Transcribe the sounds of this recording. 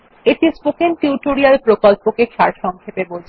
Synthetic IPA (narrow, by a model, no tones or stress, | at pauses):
et̪ispokenʈiwʈoɾialpɾokɔlpokeʃaɾʃɔŋkʰepebod͡ʑʱ